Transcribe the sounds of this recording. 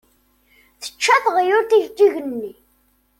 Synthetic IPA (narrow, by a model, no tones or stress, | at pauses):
θə̥t͡ʃːæθʁjʊɾt̪iʝkːiʝənːi